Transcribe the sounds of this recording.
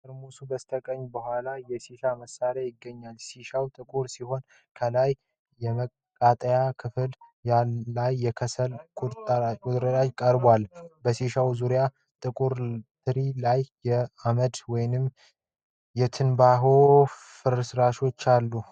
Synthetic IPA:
ɨɾmusubəst̪ʰəkʼəɲbəhʷalajɛsiʃaməsːaɾajɪɡːəɲːalsiʃawt̪ʼɨkʼuɾsiho̞n | kʰəlaj | jɛmə | kʼːat̪ʼəjakʰɨfɨl | jaːajːɛkʰəsəlkʼuɾt̪ʼkʼut̪ʼɾəlajkʼəɾbalbəsiʃawzuɾja | t̪ʼɨkʼuɾt̪ʰɨɾilajːɛaməd̪wɔjnɨm | jɛt̪ʰɨnbaɦo̞ | fɨɾsɾaʃo̞t͡ʃːalːu

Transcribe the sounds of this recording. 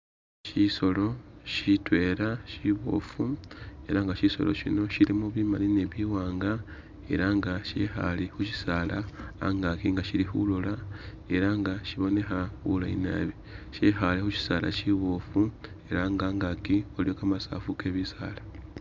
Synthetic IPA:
ʃiso̞lo̞ʃitwe̞ːɾaʃiβo̞̰fue̞ɾaŋɡaʃiso̞lo̰ʃino̞ʃiɾimuβimaline̞βiːwaːŋɡa | e̞̰ɾaŋɡaʃḛxa̰lexuci̥saːla̰ːŋɡakiŋɡaʃiɾixṵlola | e̞ɾaŋɡaʃiβo̞ne̞xaxulaḭna̰βi | ʃexalexuci̥saːla̰ciβofu | e̞ɾaŋɡaːŋɡakiolijo̞kamasa̰ːfuke̞ːβisa̰ːla

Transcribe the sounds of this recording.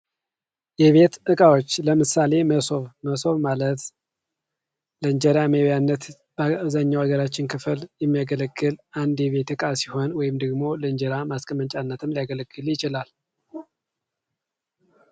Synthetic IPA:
jɛβe̞t̪ʔɨkʼawot͡ʃːləmɨsale̞məsoβməso̞βmalət̪ | ləɨɲd͡ʒəɾamewjanːət̪ | bzaɲːawaɡəɾat͡ʃːɪnkʰɨfɨljɛmːijaɡələɡːɨlʔand̪jɛβe̞t̪ɨkʼasiho̞nwɔjɪmd̪əɡmo̞ləɨnd͡ʒəɾamaskʼəmənt͡ʃʼanːət̪ʰɨmlijaɡələɡːɨljɪt͡ʃɪlal

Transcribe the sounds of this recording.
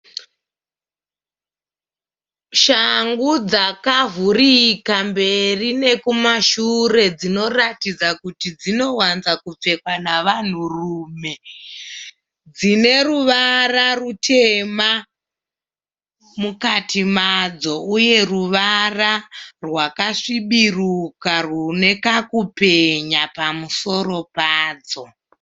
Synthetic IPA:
ʃaŋɡud͡zakavurikambe̞rine̞kumaʃure̞d͡zino̞ratid͡zakutid͡zino̞wanzakup͡fe̞kwanaʋan̤uruːme̞ | d͡zine̞ruʋararutʰe̞ma | mukatimad͡zo̞uje̞ruʋararwakaʂiɓirukarune̞kakupe̞ɲapamuso̞ɾo̞paːd͡zo̞

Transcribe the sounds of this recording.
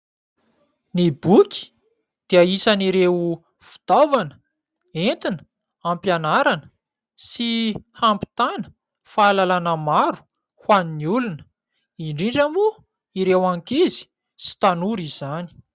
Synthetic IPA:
nibukʲi̥ | d̪̥eaisaniɾe | fi̥t̪ovanə̥ | ent̪inə | ampjanaɾanə̥ | sihampi̥t̪anə̥ | faːlalanəmaɾu̥ | hwaniniulunə | iɳɖ͡ʐiɳɖ͡ʐamu | iɾewaŋkizi̥ | si̥t̪anuɾiz̥ani̥

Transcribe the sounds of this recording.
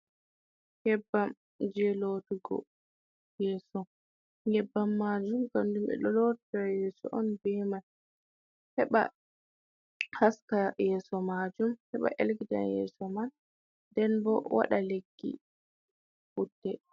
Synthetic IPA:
ŋ̥ɛbːam | d͡ʒɛlotuɡɔ̰ | jɛːsɔ | ɡɛbːamːaːd͡ʒumkandumɛ̰ɗɔlɔtdajɛːsɔ̰ʔɔnbɛman | hɛɓa̰ | haskajɛːsɔmad͡ʒumhɛɓa̰ʔelɡida̰njɛ̰sɔman | dɛnbɔ̰wa̰ɗaleɡːḭ | ʔudːɛ

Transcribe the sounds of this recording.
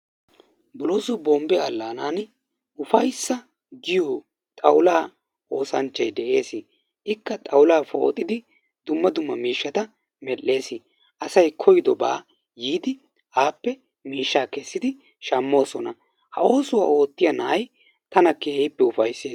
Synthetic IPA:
bʊloːsʊbɔmbɛɐlːaːnaːn | ʊfɐjsːɐ | ɡɪjoː | t̪ʼɐwlaː | ʔo̞ːsɐnt͡ʃːɐjd̪ɛʔe̞ːsɪ | ʔɪkːɐt̪ʼɐwlaːfo̞̰ːt̪ʼːɪd̪ɪ | d̪̥ʊmːɐd̪ʊmːɐmiːʃːɐt̪ɐ | mɛlːe̞ːsɪ | ʔɐsɐjkʰɔjɪd̪ɔba̰ː | jiːd̪ɪ | ʔaːpːɛ | miːʃːaːkɛsːɪd̪ɪ | ʃɐmːo̞ːsɔnɐ | hɐo̞ːsʊwa̰ːo̞ːt̪ːɪjɐnɐʔɐj | t̪ɐnɐkeːhɪpːɛʊfɐjsːeː

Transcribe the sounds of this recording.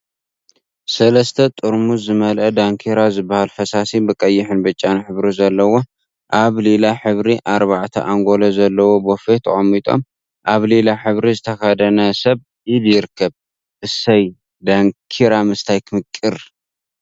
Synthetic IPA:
sɐlɐst̪ʰɐt̪ʼuɾmuzɨmɐlʔɐd̪aŋkʰiɾazɨbːahalfɐsasibɨkʼɐjːɪħɨnbɐt͡ʃʼːanħɨβɾizɐlːɐwo̞ | ʔaβlelaħɨβɾiʔaɾβaʕt̪ʰɐ̰ʔaŋɡo̞lɐzɐlːɐwo̞bofet̪ʰɐ̰χʼɐmːit̪ʼo̞̰m | ʔaβlelaħɨβɾizɨt̪ʰɐxad̪ɐnɐsɐβ | iljɪɾkʰːɐβ | ʔɨsɐj | d̪aŋkʰiɾamɨst̪ʰajkʰɨmɨkʼːɨɾ

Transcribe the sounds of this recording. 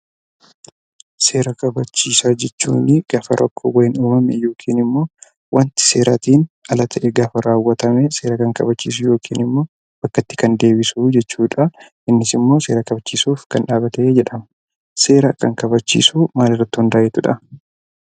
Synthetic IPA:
se̞ːɾɐkɐbɐt͡ʃːiːsaːd͡ʒɛt͡ʃːṵːnɪɡ̥ɐfɐɾʔɐ̰kʰːo̰wɐjɪnuːmɐmɛ̰jo̞ːkʰiːnɪmːo̞ː | wʔɐnt̪ɪ̥se̞ːɾɐt̪iːnɐlɐt̪ʰɐʔɛɡafɐɾaːwːɐt̪ɐmɛse̞ːɾɐkɐŋkɐ̰bɐt͡ʃːḭːs̬ʊjo̞ːkʰiːnɪmːo̞ː | b̥ɐkːɐt̪ːɪ̥kɐnd̪e̞ːbɪsuːd͡ʒɛt͡ʃːuːᶑɐ | ʔɪnːɪsɪmːo̞ːse̞ːɾɐkɐbɐt͡ʃːiːsuːfkɐnᶑaːbɐt̪ɐeːd͡ʒɛᶑɐm | se̞ːɾɐkɐŋkɐbɐt͡ʃːḭːsumaːlɪrːɐt̪ːɪhʊnd̪aːʔɛt̪ʊᶑɐ

